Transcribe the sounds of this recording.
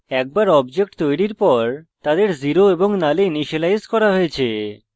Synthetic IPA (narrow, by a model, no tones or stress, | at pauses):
ɛk̚baɾɔbd͡ʑek̚ʈt̪ojɾiɾpɔɾt̪ad̪eɾziɾoeboŋnaleniʃelajskɔɾaɦoet͡ɕʰe